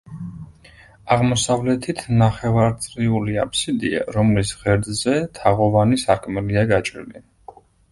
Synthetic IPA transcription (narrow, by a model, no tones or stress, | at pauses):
aʁmɔsavlɛt̪ʰit̪ʰnaχɛvaɾt̪sʼɾiuliapʰsid̪ḭa̰ɾɔmlisʁɛɾd̪zɛt̪ʰaʁɔvanisakʰmɛliaɡat͡ʃʼɾlḭ